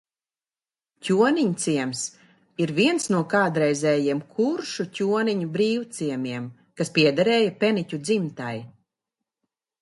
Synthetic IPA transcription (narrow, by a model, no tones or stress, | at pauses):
cʲuɔniɲt̪siɛms | iɾviɛnsnuɔkaːd̪ɾɛjzɛːjiɛmkʰuɾʃucʲuɔniɲubɾiːwt̪siɛmiɛm | kaspiɛd̪aɾɛːjapʲɛnicʲud̪zimt̪aj